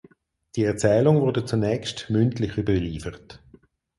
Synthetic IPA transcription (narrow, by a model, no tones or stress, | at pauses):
d̥iəɛɐt͡sɛːlʊŋvʊɐdət͡sunɛːkstmʏntlɪχybəliːfəʁət